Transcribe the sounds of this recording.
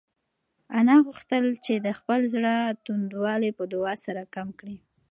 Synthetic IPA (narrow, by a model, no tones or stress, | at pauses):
anɑɣuxt̪əlt͡ʃed̪əxpəlzɽət̪und̪wɑlepəd̪ʊɑsaɾakamkɽi